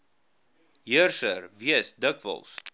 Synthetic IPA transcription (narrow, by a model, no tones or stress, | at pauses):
ɦiərsəɾviəsdəkvə̰lˠs